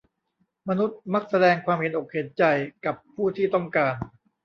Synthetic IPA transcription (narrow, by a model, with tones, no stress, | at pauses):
ma˧nu˦˥t̪̚ma˦˥k̚sa˧dɛː˧ŋkʰwaː˧mhe˨˦nʔo˨˩k̚he˨˩˦nt͡ɕa˧jka˨˩pʰːuː˥˩t̪ʰiː˥˩t̪ɔ˥˩ŋkaː˧n